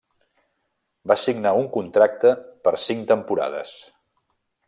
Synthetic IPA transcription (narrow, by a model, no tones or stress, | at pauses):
basiɡnauŋkunt̪ɾak̚t̪əpəɾsiŋt̪əmpuɾa̰ðə̰s